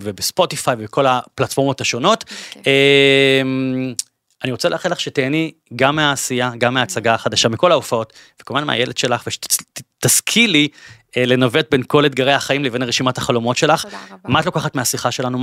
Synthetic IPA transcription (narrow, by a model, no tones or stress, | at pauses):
vebespo̞tifajveekʰo̞laplatfo̞ʁmo̞taʃo̞no̞tem | aniʁot͡seleaχinlaχʃeteːni | ɡamːeaːsijaɡamːeaːt͡saɡaːχadaʃamiko̞laufao̞t | vekolmanmḛa̰jelʔedʃe̞laχveʃe̥taskʰili | ele̞nave̞t̚benko̞let̪̚ɡaʁehaχaimlevenaʁeʃimathaχalo̞mo̞tʃe̞laχmaatlo̞kaχatmeasiχaʃe̞lanu